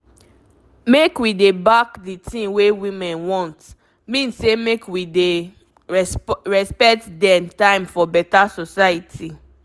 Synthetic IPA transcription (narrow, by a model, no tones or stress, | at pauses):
mekwidebakditʰĩnwewĩmɛ̃nwɔ̃nt | mĩnsemekwide | ɹɛspɛtdɛ̃mtãɪ̃mfɔbɛtasɔsajitʰi